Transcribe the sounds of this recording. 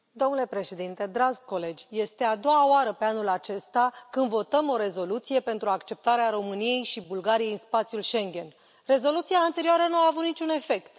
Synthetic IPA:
d̪o̞mnule̞pɾe̞ʃe̞d̪int̪e̞d̪ɾad͡ʒɡko̞le̞d͡ʒʲje̞st̪e̞ad̪o̞waoaɾəpe̞anulat͡ʃe̞st̪akɨnd̪vo̞t̪əmo̞ɾe̞zo̞lut̪sije̞pe̞nt̪ɾuakt͡ʃe̞p̚t̪aɾeaɾo̞mɨnije̞jʃibulɡaɾijejɨnspat̪sʲjulʃe̞ŋɡʲe̞n | re̞zo̞lut̪siaːnt̪e̞ɾioaɾənuaːvut̪nit͡ʃune̞fe̞kt̪

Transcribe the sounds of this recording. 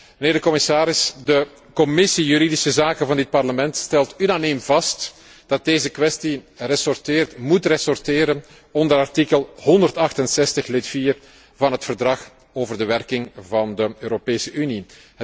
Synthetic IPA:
məneːrdəkɔmɪsaːɾɪsdə | kɔmɪsijyɾidɪsəzaːkənvɑndɪt̚pɑrləmɛntstɛlˠtynaːniːmv̥ɑst | d̥ɑt̚deːzəkʋɛstirɛsɔrtɪːrtmutrɛsɔrtɪːɾən | ɔndəɾɑrtikəlˠhɔndərtɑxtənsɛstəxlɪtfiːr | vɑnɦətfərdrɑx | oːvərdəʋɛrkɪŋvɑndəøːɾopeːsəʔyni

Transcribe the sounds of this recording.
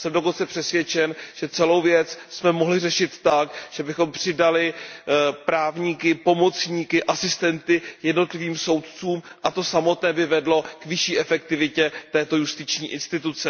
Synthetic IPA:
sɛmdo̞ko̞nt͡sɛpr̝̥ɛsvjɛt͡ʃɛnʒ̥ɛt͡sɛlo̞wvjɛt͡ssmɛmoɦlɪrɛʃɪt̪ːakʒ̥ɛbɪxo̞mpr̝̥ɪdalɪ | pɾaːvɲiːkɪpo̞mo̞t͡sɲiːkɪʔasɪst̪ɛnt̪ɪjɛdno̞t̪lɪviːmso̞wt̪̚t͡suːmʔat̪o̞samo̞t̪nɛːbɪvɛdlo̞kvɪʃiːʔɛfɛk̚t̪ɪvɪcɛt̪ɛːt̪o̞just̪ɪt͡ʃɲiːʔɪnst̪ɪt̪ut͡sɛ

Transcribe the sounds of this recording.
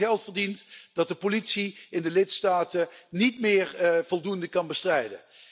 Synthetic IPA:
ɛlˠtfəɹdintd̥ɑt̚dəpolitsiɪndəlɪtstaːtənitmɪːɹv̥ɔlˠdundəkɑnbəstrɛjdə̰

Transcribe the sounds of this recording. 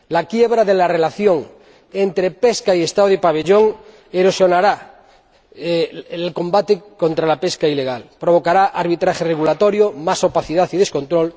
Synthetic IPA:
lakjeβɾaðelare̞laθjoŋ | ent̪ɾepeskaiest̪aðoipaβ̞eʎoŋ | eɾosjo̞naɾa | lkõ̞mbat̪ekont̪ɾalapeskaileɣ̞alpɾoβ̞o̞kaɾaʔaɾβit̪ɾaxereɣulat̪oɾjomasopaθiðaθiðe̞sko̞nt̪ɾol

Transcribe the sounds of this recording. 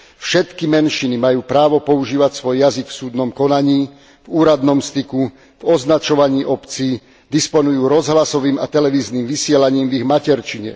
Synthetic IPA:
fʃɛt̪kimɛnʃinimajuːpɾaːʋɔpɔuʒiːʋacsʋɔjjazikfsuːd̪nɔmkɔnaɲiː | vuːɾad̪nɔmst̪iku | vɔznat͡ʃɔʋaɲiːʔɔpt͡siː | d̪ispɔnujuːɾɔzɦlasɔʋiːma̰t̪ɛlɛʋiːzniːmʋisɪɛlaɲiːmviɣmacɛɾt͡ʃiɲɛ̰

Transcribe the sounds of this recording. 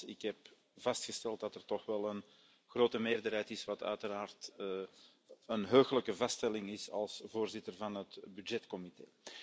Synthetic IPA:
ɪkɦɛp | v̥ɑstxəstɛlˠt̚dɑtərtɔxʋɛlˠən | xroːtəmeːrdərɦɛjtɪsʋɑtœ̰ɥtəɾaːrt | ənɦøːɣələkəvɑstɛlɪŋɪsɑ̰lˠsvoːrzɪtərvɑnɦətbydd͡ʒɛtkɔmitḛː

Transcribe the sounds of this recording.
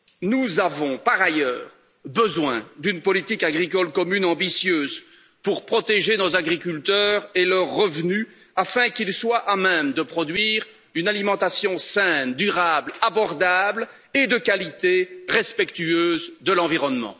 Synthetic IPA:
nuzavɔ̃paʁajœːʁ | bəzwɛ̰̃d̪ynpɔlit̪ikaɡʁikɔlkɔmynɑ̃bisjøːz | puʁpχɔt̪eʒenozaɡʁikʲylt̪œːʁelœʁːəvny | afɛ̃kilswaʔamɛmd̪əpχɔd̪ɥiːʁ | ynalimɑ̃t̪asjɔ̃sɛ̃nd̪yʁablabɔʁd̪abl | ed̪əkalit̪eʁɛspɛkt̪yøːzd̪əlɑ̃viʁɔnmɑ̰̃

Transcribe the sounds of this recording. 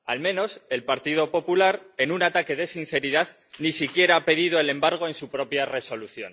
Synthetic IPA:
almẽ̞no̞se̞lpaɾt̪iðo̞po̞pulaɾe̞nunat̪ake̞ðe̞sin̟θe̞ɾiðað | nisikje̞ɾaape̞ðiðo̞e̞le̞mbaɾɣ̞o̞e̞nsupɾo̞pjare̞so̞luθjo̞̰n

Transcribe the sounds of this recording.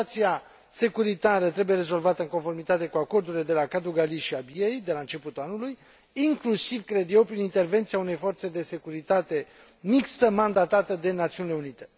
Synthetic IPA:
t̪sia | se̞kuɾit̪aɾət̪ɾebuje̞ɾe̞zo̞lvat̪əɨŋko̞nfo̞rmit̪at̪e̞kuako̞rd̪uɾile̞d̪e̞lakad̪uɡaliʃiabiejd̪e̞laɨnt͡ʃe̞put̪uanuluj | iŋklusivkɾe̞d̪je̞wpɾinint̪e̞rve̞nt̪sijaune̞jfo̞rt̪se̞d̪e̞se̞kuɾit̪at̪e̞ | mikst̪əmand̪at̪at̪əd̪e̞nat̪siunileunit̪e̞

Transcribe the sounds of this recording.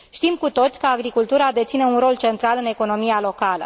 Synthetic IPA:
ʃt̪imkut̪o̞t̪sʲkəaɡɾikult̪uɾad̪e̞t̪sineunɾo̞lt͡ʃe̞nt̪ɾalɨne̞ko̞no̞mijalo̞kalə̰

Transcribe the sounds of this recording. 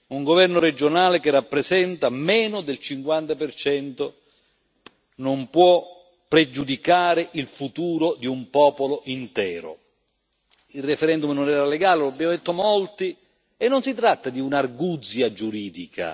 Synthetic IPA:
uŋɡovɛrnoɾed͡ʒonaːlekerːapːɾesɛnt̪amɛːnʊd̪elt͡ʃiŋkwant̪apert͡ʃɛnt̪o | nompwɔ | pːɾed͡ʒud̪ikaːɾɪʔilfut̪uːɾod̪iumpɔːpoloʔint̪ɛːɾo̰ | ilrːefeɾɛnd̪umnonɛːɾaleɡaːleloabːjaːmod̪et̪ːomolt̪i | enːonsit̪ɾat̪ːad̪iunarɡud̪zjad͡ʒuɾiːd̪ikʰa̰

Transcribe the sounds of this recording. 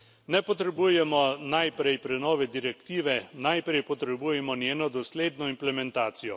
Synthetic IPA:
nɛpɔt̪ɾɛbujɛmɔnajpɾɛjpɾɛnɔːʋɛd̪iɾɛkt̪iːʋɛnajpɾɛjpɔt̪ɾɛbuːjɛmɔnjeːnɔd̪ɔsleːd̪nɔimplɛmɛnt̪aːt̪sijɔ

